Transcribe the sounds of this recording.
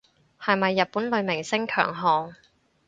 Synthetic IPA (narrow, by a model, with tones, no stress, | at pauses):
hɐ˨jmɐ˨jːɐ˨t̚puː˨˥nlɵ˨˧ɥmɪ˨˩ŋsɪ˥ŋkʰœ̰ː˨˩ŋɦɔː˨˧ŋ